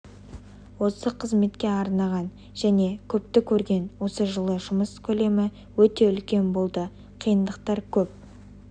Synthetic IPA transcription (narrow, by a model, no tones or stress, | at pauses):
wo̞səqʰəzme̞t̪kʲe̞ɑɾnɑʁɑn | ʒ̥æne̞kʲʰɵp̚t̪ɪkʲʰɵɾɡʲe̞nwo̞səʒəlˠəʒʊməskʲʰɵle̞mɪ | wɵt̪e̞ʏlkʲe̞nbo̞lˠd̪ə | qʰijənd̪əq̚t̪ɑɾkʲʰɵp̚